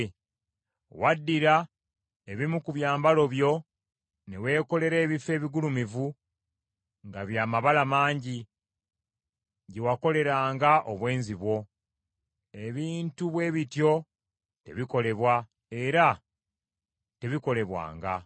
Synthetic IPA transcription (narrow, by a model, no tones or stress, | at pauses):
wadːiɾa | eβimukuβjaːmbalo̞βjo̞ | newe̞ːko̞le̞ɾe̞ːβife̞ːβiɡulumivu | ŋɡaβjaːmaβalamaːɲɟi | ɟe̞wako̞le̞ɾaːŋɡaʔoβwe̞ːnziβwo̞ | e̞βiːntuβwe̞ːβitjo̞ | te̞̰βiko̞le̞βwa | eɾa | te̞βiko̞le̞βwa̰ːŋɡa